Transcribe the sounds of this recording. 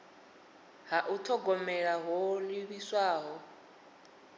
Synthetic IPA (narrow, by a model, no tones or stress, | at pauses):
ɦaʔutʰɔɡɔmɛɺaɦɔliβiswaːɦɔ